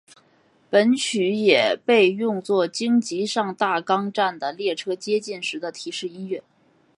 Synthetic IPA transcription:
pə˧˥nt͡ɕʰy˧˥jɛ˨˩pe˥˧ɪjʊ˥˧ŋt͡swɔ˥˩t͡ɕi˥ŋt͡ɕi˧˥ʂɑ˥˧ŋt̪a˥˩kɑ˥ŋʈ͡ʂa˥˩nd̪ə˩ljɛ˥˩ʈ͡ʂʰɤ˥t͡ɕjɛ˥t͡ɕi˥˩nʂɻ̩˧˥d̪ə˧t̪ʰi˨˩ʂɻ̩˥˩i˥nɥɛ˥˩n

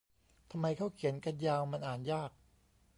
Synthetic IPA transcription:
t̪ʰa˧mːa˧jkʰa˥˩wkʰi˨˩˦ənka˧njaː˧wma˧nʔaː˨˩njaː˥˩k̚

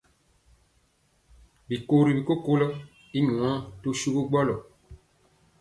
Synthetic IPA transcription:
bi˨ko˦ɾi˨bi˨ko˦ko˦lɔ˦ | i˦ɲ̃˨ã˨˦to˦ʃu˦ko˦ɡ͡bɔ˦lɔ˨

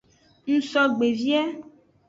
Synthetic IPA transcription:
ŋ̩̃˦sɔ˦ɡ͡be˨vi˦ɛ˦

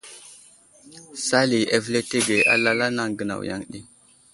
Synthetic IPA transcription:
sa˦li˨e˦vle˦te˦ɡe˨ʔa̰˦la˦la˦na˦ŋɡə˨na̰˨wja̰˦ŋɗi˦

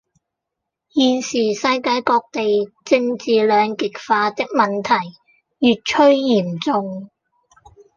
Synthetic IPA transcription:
jiː˨˧siː˨˩sɐ˧jkaː˧jkɔː˧k̚t̪e˨jt͡sɪ˧ŋt͡siː˨lœː˨˧ŋkɪ˨k̚faː˧t̪ɪ˥k̚mɐ˨nt̪ʰɐ˨˩j | jyː˨˧t̚t͡ʃʰɵ˥ɥjiː˨˩mt͡sʊ˨˧ŋ

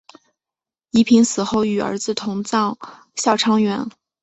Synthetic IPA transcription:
i˧˥pʰi˧˥ŋsɹ̩˨˩xo˥˩ʊy˨˩ə̰˞˧˥d͡zɹ̩˧t̪ʰʊ˧˥ŋt͡sɑ˥˩ŋ | ɕjɑ˥˩ʊʈ͡ʂʰɑ˥ŋɥɛ˧˥n

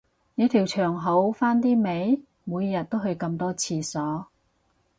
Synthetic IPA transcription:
ne˨˧˥t̪ʰiː˨˩wt͡ʃʰœː˨˩ŋɦo˨˥wfaː˥nt̪iː˥me˨˥j | muː˨˧jjɐ˨˩t̚t̪o˥wɦɵ˧ɥkɐ˧mt̪ɔː˥t͡sʰiː˧sɔː˨˥

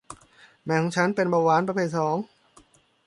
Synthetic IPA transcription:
mɛː˧˩kʰɔː˩˦ŋt͡ɕʰa˦˥npe˧nbaː˧waː˨˦npɾa˧pʰeː˧˩t̚sɔː˩˦ŋ

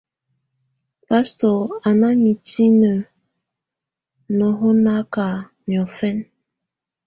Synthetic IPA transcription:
pa˦stɔ˨a˨na˦ɲi˨ti˦nə˨ | nɔ˨ɦo˦na˦ka˨ | mjɔ˨fɛ˦n

